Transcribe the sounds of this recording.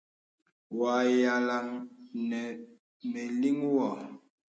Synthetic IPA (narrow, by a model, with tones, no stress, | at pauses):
wa˨ja˨la˨ŋnɛ˨ | me˨li˦ŋwɔ˨